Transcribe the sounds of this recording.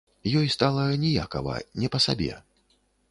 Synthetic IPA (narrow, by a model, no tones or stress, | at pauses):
jɔjst̪alˠɐnʲɛja̰kɐ̰vɐ̰nʲɛpɐsa̰bʲɛ̰